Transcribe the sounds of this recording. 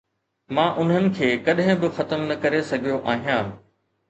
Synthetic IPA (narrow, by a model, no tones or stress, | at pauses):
mãːʔʊn̤ənɪ̆kʰeːkɐɗɦɪ̃bɪxɐt̪əmnɐkɐɾesɐɡʱijoʔaːɦijãː